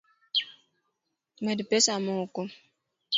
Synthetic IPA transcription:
medipesamɔko

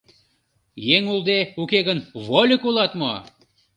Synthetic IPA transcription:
jeŋulˠd̪eukeɣənβolʲəkulˠɑt̪mo

